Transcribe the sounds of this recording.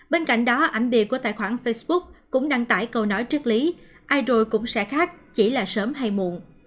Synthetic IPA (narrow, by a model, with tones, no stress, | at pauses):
ɓe˧nka̰˧˨jŋ̟ɗɔ˨˦ʔa˧˩ŋɓi˨˩əku˧˩ət̪a̰ː˧˨jxwaː˧˩nfə˧jsɓʊ˦˥k̚kʊ̰˧˥ŋ͡mɗa˧ŋt̪a̰ː˧˩jkə˧wnɔ˨˦jt͡ɕɨ˦˥k̚li˨˦ | ʔaː˧jzo˨˩jkʊ̰˧˥ŋ͡msɛ̰˧˥xaː˦˥k̚t͡ɕi˧˩laː˨˩səː˨˦mɦa˧jmṵ˧˨əŋ